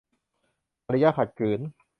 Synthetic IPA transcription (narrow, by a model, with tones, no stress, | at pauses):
ʔa˧ɾa˦˥ja˦˥kʰa˨˩t̪̚kɯː˨˩˦n